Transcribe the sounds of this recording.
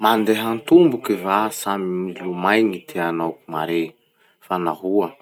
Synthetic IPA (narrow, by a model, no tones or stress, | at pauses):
mand̪eɦant̪umbukivasamimilumajɲit̪ʰeanawkumaɾe | fanaɦuə